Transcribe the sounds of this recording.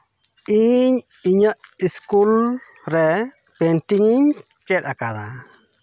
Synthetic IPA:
iɲ | iɲəiskul | ɾɛ | pentiŋiɲ | t͡ʃɛdakad̪a

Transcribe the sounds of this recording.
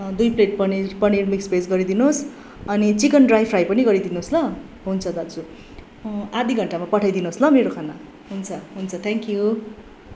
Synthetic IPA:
d̪ujpleʈ̚pʌnipʌnirmikspesɡʌɾid̪inos | ʌnit͡sikʌnɖrajpʰrajpʌniɡʌɾid̪inoslʌ | ɦunt͡sʰʌd̪ad͡zu | ad̪ʱiɡʱʌɳʈamapʌʈʰajd̪inoslʌmeɾokʰana | ɦunt͡sʰʌɦunt͡sʰʌt̪ʰɛ̃ŋkju

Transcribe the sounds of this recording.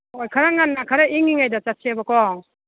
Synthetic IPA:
ojkʰaɾaŋanːakʰaɾaiŋiŋajdat͡ʃasiabakɔŋ

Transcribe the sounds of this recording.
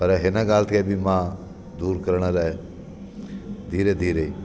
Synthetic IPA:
pəɾɦɪnaɡaːlt̪ʰkebʱimãː | d̪uːɾkəɾɽ̃alaːe | d̪ʱiːɾed̪ʱiːɾeiː

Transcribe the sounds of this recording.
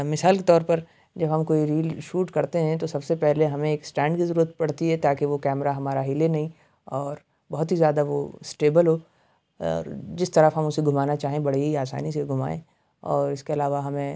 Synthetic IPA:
mɪsaːlket̪ɔːɾpɐɾ | d͡ʒɐbɦɐmkoːiɾiːlʃuːʈkɐɾt̪eɦɛ̃t̪osɐbsepɛɦleɦɐmẽeːksʈɛ̃ːɳɖkizɐɾuːɾət̪̚pɐɽ̤t̪iɦɛt̪aːkeʋokɛːmɾaɦɐmaːɾaɦɪlenɐɦĩ | ɔːɾ | bɐɦʊt̪ɦizjaːd̪aʋosʈeːbəlɦo | ɔ̰ːɾd͡ʒɪst̪ɐɾəfɦɐmʊseɡʱʊmaːnat͡ʃaːɦẽbɐɽ̤eɦiaːsa̰ːnis̬eɡʱʊma̰ːḛ̃ː | ɔːɾɪskeɐlaːʋaɦɐmẽ

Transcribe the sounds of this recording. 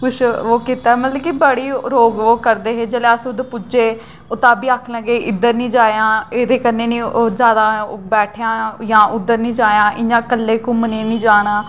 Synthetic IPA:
pʊʃʰoːkiːt̪aːɛːmət̪ləkibəɽiːɾoːɡoːkəɾd̪eːɦeːd͡ʒeːleːəsʊd̪pʊd͡ʒeː | ot̪aːbiːaːkʰnə̃ːɡeːʔɪd̪əɾnĩːd͡ʒaːjãːeːd̪eːkənːeːnĩːd͡ʒjaːd̪aːbɛːʈʰjãːjãːʔʊd̪ːəɾnĩːd͡ʒaːjãːʔɪnãːkəlːeːkʊməneːnĩːd͡ʒaːɽ̃aː

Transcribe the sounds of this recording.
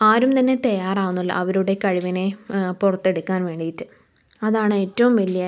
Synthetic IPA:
aːɾumt̪ɐnːe̞t̪ɐjaːraːwunːuɭːɐ̰ʔɐʋɐɾuɽe̞kɐɻiʋɐne̞purɐt̪ːe̞ɽukːaːnʋe̞ːɳɖijitːɨ | ɐðaːɳɨe̞ːtːɐʋumʋɐlːija

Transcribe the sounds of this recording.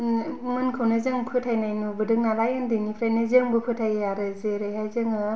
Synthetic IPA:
mɯnkʰɯwnɯzɯŋpʰɯtʰajnajnubɯdɯk̚nalajɯndɯnipʰɾajnɯzɯŋbɯpʰɯtʰajaɾɯzeɾɯjɦajzɯŋɯ

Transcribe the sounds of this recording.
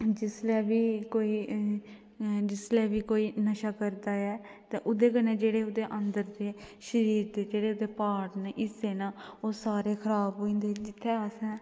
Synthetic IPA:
d͡ʒɪslɛːʋiːkoːiː | d͡ʒɪslɛːʋiːkoːiːnəʃaːkəɾd̪aːɛːt̪ẽːʔʊd̪eːkənɛːd͡ʒeːɽeːʊd̪eːʔənd̪əɾd̪eːʃəɾiːɾd̪eːd͡ʒeːɽeːʊd̪eːpaːɽnʔɪseːnaːoːsaːɾeːkʰəɾaːbɦoːĩːnd̪eːd͡ʒɪt̪ʰːeːəsɛ̃ː

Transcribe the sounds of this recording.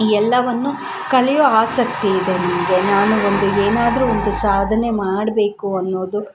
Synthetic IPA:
iːɛlːɐʋɐnːu | kɐlɛjuaːsɐkt̪iːd̪e̞nimɐɡe̞naːnuond̪ueːnaːd̪ɐɾuond̪usaːd̪ʱɐne̞maːɽɐbe̞ːkuɐnːo̞ːd̪u

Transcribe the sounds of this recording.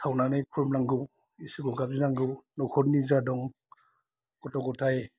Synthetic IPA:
tʰawnanajkʰuɾmnaŋɡɯw | isɯɡɔɡap̚zinaŋɡɯwnɔkʰɔt̚nizadɔŋ | kɔtɔŋɡɔtʰaj

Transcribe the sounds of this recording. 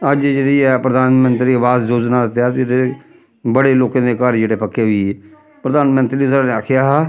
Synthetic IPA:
əd͡ʒd͡ʒeːɽiːpɾəd̪aːnmə̃nt̪ɾiːəʋaːsd͡ʒoːd͡ʒnaːd̪ɪt̪jaːt̪ɾee | bəɽeːloːkãːd̪eːkəɾd͡ʒeːɽeːpəkːeːɦʋiː | pɾəd̪aːnmə̃nt̪ɾiːsəɾaneaːkʰjaːɦɛː

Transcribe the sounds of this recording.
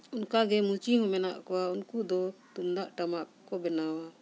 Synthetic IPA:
unkaɡɛmut͡ʃiɦɔ̃mɛnaʔkɔwaunkud̪ɔt̪umd̪aʔʈamaʔkɔbɛnawa

